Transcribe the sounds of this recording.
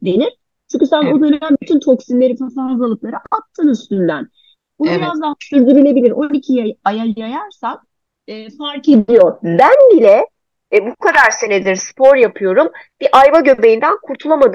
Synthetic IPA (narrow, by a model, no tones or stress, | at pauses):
d̪e̞niɾ̥ | t͡ʃʰyɲʲcysæno̞d̪øned̪ænbit̪ʰynt̪ʰo̞ksinlʲe̞ɾifasaɾzˠalˠɯklˠaɾɯatt̪ʰːɯːnyst̪ynd̪æn | bunbiɾazd̪aɦasyzd̪yɾylʲe̞bilʲiɾond̪icʰijaajajajaɾsan | ɯːfaɾke̞d̪ijo̞bænbilʲɛ | bukʰad̪aɾse̞ned̪iɾspʰoɾjapʰɯjo̞ɾumb̥iʔajvaɟø̞ve̞jind̪ænkʰuɾt̪ʰulˠamad̪ɯ